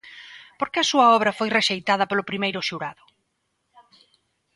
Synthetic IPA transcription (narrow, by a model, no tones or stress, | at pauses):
poɾkɪɐsuɐɔβɾɐfojreʃejt̪að̞ɐpolʊpɾimejɾʊʃuɾaðʊ